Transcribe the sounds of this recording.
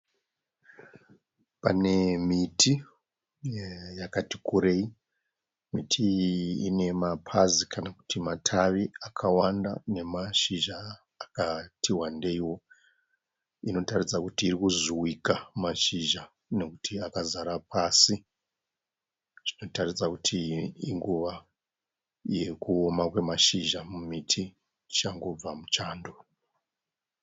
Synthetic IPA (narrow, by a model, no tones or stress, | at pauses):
pane̞mitʰi | jakati̥kuɾe̞i | mitʰiine̞mapʰazikʰanaku̥timatʰaʋiakʰawanda̰ne̞maʃiʒaː | katʰiwande̞iwo̞ | ino̞tarid͡zakutiːrikuzuwikamaʃiʒa | ne̞kutʰiakazaɾapʰasi | ʐ̥ino̞tarid͡zakutʰiːŋɡuʋa | je̞kuomakwe̞maʃiʒamumitʰi | t͡ʃaŋɡo̞b͡vamut͡ʃaːndo̞